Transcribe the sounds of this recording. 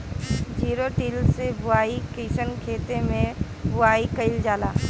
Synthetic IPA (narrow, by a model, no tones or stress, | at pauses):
d͡ʒiːɾoʈiːlsebʊaːikiːsənkʰeːt̪emẽ | bʊaːikəɪld͡ʒaːlaː